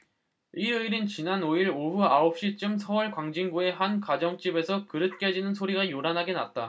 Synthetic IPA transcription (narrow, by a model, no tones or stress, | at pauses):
iɾɯiɾɯnt͡ɕinanoiɾoɸuaop̚ɕ͈it͡ɕ͈ɯmsʰʌwʌɭkwaŋd͡ʑiŋɡue̞ɦankad͡ʑʌŋt͡ɕ͈ibe̞sʰʌkɯɾɯt̚k͈ed͡ʑinɯnsʰoɾiɡajoɾanɦaɡena̰t̚t͈a